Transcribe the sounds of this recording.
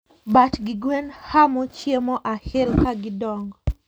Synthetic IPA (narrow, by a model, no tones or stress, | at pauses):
batɡɪɡwenhamɔt͡ʃjemɔʔahɪlkaɡɪdɔŋɡɔ